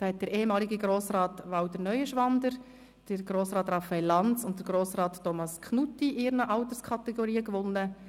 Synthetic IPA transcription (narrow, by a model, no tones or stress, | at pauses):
d̥ɑːhɛt̚d̥əɾeːhemɑːliɡəɡɾoːsrɑːtʋɑwd̥əɾnœʏəʃʋɑnd̪əɾ | d̥əɾɡ̥ɾoːsɾɑːtrɑfaɛlːɑnt͡sʊntd̥əɾɡ̥ɾoːsrɑːtːɔmɑskʰχnutːiʔɪɾnəʔɑwt̪əɾskʰɑt̪ɛɡɔɾiːəkʋʊnːə